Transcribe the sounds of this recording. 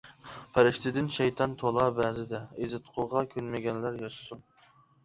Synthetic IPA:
pʰæɾɪʃt̪ʰɪd̪ɪnʃɛjt̪ʰɑnt̪ʰolˠɑbɛzɪd̪ɛezɪt̪qʰʊʁɑkʲʰønmɪɡʲɛnlæɾjɑʃsu

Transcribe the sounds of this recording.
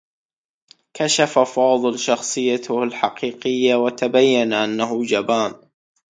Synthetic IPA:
kaʃafafɑːðˤɨlʃɑxsˤɨjːat̪ʊhalħɑqiːqɪjːawat̪abajːanaʔanːaɦʊd͡ʒabaːn

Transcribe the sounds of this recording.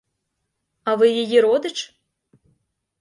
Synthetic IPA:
avɨjijiɾɔd̪ɨt͡ʂ

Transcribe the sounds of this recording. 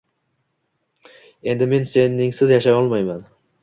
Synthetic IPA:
e̞nd̪ɪme̞nse̞nɪŋsɪzjaʃajɒlˠmajman

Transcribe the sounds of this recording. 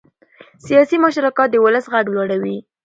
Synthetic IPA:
sijɑsimaʃɾakɑt̪̚d̪əwʊləsɣaɡlwɑɽawi

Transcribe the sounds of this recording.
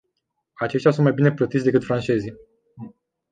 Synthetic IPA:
at͡ʃe̞ʃt̪jasunt̪majbine̞plət̪it̪sʲd̪e̞kɨt̪fɾant͡ʃe̞zi

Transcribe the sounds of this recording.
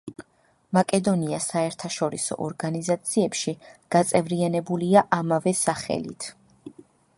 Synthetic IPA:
makʼɛd̪ɔniasaɛɾt̪ʰaʃɔɾisɔ̰ʔɔɾɡanizat̪sʰiɛpʃiɡ̥at̪sʼɛvɾianɛbuliaʔamavɛsaχɛ̰lḭt̪ʰ

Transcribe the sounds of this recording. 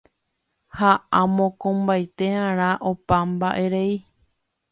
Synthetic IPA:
haʔãmõkõmbajt̪ehãɾ̃ãʔopambaʔeɾe̞i

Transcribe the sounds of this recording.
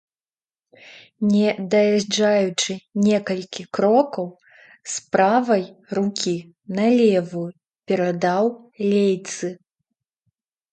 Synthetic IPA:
nʲɛd̪ɐjaʐd͡ʐajut͡ʂɨnʲɛkɐlʲkʲikɾɔkɐw | spɾavɐjrukʲi | nɐlʲɛvu | pʲɛɾad̪aw | lʲejt̪sɨ

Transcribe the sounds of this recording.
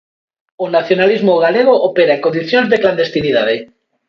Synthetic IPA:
onaθjonalizmoɣaleɣ̞oʔopeɾaeŋkond̪iθjõnzðekland̪est̪iniðaðe

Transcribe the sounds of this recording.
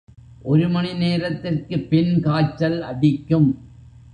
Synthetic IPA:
ʔɔɾɯmɐnɪneːɾɐt̪ːɪrkɯpɪnkaːt͡ʃːɐlɐɽɪkːɯm

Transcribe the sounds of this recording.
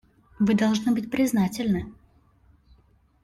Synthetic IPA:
vɨd̪ɐlˠʐnɨbɨt̚ʲpɾʲɪznatʲɪlʲnɨ

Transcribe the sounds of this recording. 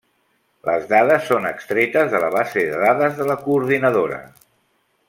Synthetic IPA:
lə̰zðaðəsːonəkst̪ɾet̪əzðələβazeðəðaðəzðələkuːɾðinəðoɾə̰

